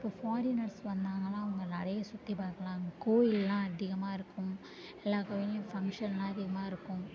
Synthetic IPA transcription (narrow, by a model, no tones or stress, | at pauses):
ɪpːoːfaːɾɪnɐɾsʋɐnd̪aːŋɡɐlãːʊŋɡɐnɪɾɐjɐsʊt̪ːipaːɾkɐlãːɡkoːjɪlːãːɐðɪɣɐmaːɪɾɯkːʊ̃m | ɛlːaːkɐʋejɐ̃fɐŋkʂɐnlãːɐðɪɣɐmaːɪɾɯkːʊ̃